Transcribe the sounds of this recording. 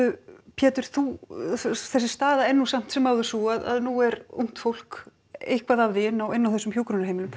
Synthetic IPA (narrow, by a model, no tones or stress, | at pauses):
pʰjɛːt̪ʏɾ̥θu | θɛsːɪ̥st̪aːðaɛnːusam̥t̪sɛmaːwðʏsuaða̰ðnuɛɾṵwŋ̥t̪fowl̥k | ejhkvaðavðɪɪnːawɪnːawθɛsːʏmçjuːkɾunaɾheːjmɪlʏm